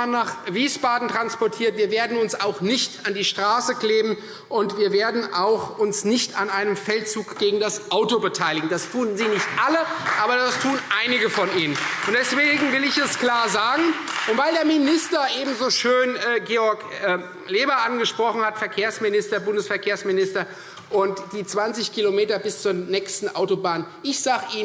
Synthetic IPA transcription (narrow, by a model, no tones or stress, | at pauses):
naːχviːsb̥aːdn̩tʁ̥anspɔɐtʰiːɐtviːɐveːɐdn̩ʊnsaʊxnɪçtandiːʃtʁ̥aːsəkleːbm̩ | ʔʊntv̥iːɐveːɐdn̩ʔaʊxʔʊnsnɪçtanʔaɪnəmfɛltt͡suːkɡ̥eːɡŋ̩dasʔaʊtobətʰaɪlɪɡŋ̩dastʰuːənziːnɪçtʔaləʔaːbɐdastʰuːnʔaɪnɪɡəfɔnʔiːnənʔʊntd̥ɛsv̥eːɡŋ̩vɪlɪçɛskl̥aːɐzaːɡŋ̩ʔʊntv̥aɪldeːɐmɪnɪstɐʔeːbm̩zoʃøːnɛːɡeːɔɐkː | leːbɐʔanɡəʃpʁ̥ɔχn̩hatfɛɐkʰeːɐsmɪnɪstɐbʊndəsfɛɐkʰeːɐsmɪnɪstɐ | ʔʊntd̥iːt͡sv̥ant͡sɪçkʰilomeːtɐbɪst͡suːɐnɛːkstn̩ʔa̰ʊtobaːnʔɪçz̥aːɡəʔiː